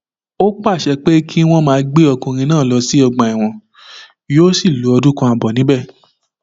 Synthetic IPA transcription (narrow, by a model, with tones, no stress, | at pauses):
o˦k͡pa˦˨ʃɛ˧k͡pe˦kʰi˦w̃ɔ̃˧mãː˦˧˦ɡ͡be˦ɔ˧kũ˧ɾ̃ĩ˧nãː˦˨lɔ˧si˦ɔ˧ɡ͡bã˨i˨w̃ɔ̃˨ | jo˦si˦˨lu˨˦ɔ˧dũ˦kɔ̃˧a˧bɔ˨nĩ˨˦bɛ˦˨